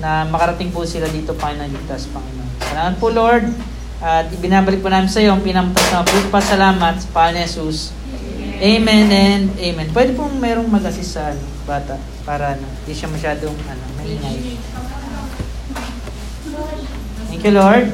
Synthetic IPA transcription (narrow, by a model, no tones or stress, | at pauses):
nɐmɐkɐɾɐt̪ɪŋpʊsɪlad̪iːt̪o̞pɐɪnɐŋlɪɡ̚t̪ɐspɐŋʔɐnosɐlaːmɐt̪̚pʊloɹd̪̚ | ʔɐt̪̚bɪnaːbɐlɪk̚pʊnaːmɪnsɐjo̞ŋpɪnɐmt̪ɐsnɐɐbut̪̚pɐsɐlaːmɐt̪̚spaɐnɛːsus | ʔejmɛnɛnd̪ʔejmɛnpwɛːd̪ɪpʊŋmɛːɾoŋmɐɡɐsɪsɐn | baːt̪ɐʔ | paːɾɐɐnoɪnd̪iʃɐmɐʃaːd̪oŋʔɐnomɐlɪŋaj | t̪ɛŋkjuloɹd̪̚